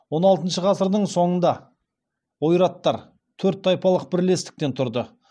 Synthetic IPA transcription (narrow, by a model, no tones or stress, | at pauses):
wo̞nɑlˠt̪ənʃəʁɑsəɾd̪əɴso̞ɴənd̪ɑ | wojɾɑt̪ːɑɾ | t̪ʰɵɾt̪̚ːɑjpɑlˠəq̚bɪɾle̞st̪ɪ̥k̚t̪e̞nt̪ʰʊɾd̪ə